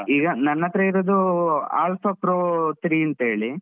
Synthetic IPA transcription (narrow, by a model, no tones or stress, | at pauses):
iːɡɐnɐnːɐt̪ːɾɐiɾod̪ua̰ːlfɐpɾoːt̪ɾiːɐnt̪ɐɦeːɭi